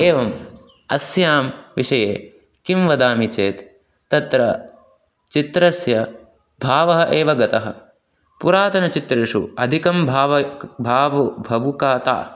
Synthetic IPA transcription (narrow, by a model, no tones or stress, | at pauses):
eːʋɐm | ɐsjaːmʋiʂɐjeː | kimʋɐd̪aːmit͡ʃeːt̪ː | ɐt̪ɾɐ | t͡ʃit̪ɾɐsjɐ | bʱaːʋɐɦɐʔeːʋɐɡɐt̪ɐɦɐ̆ | puɾaːt̪ɐnɐt͡ʃit̪ɾeʂṵɐd̪ʱikɐmbʱaːʋɐbʱaːʋɐbʱɐʋukaːt̪a̰ː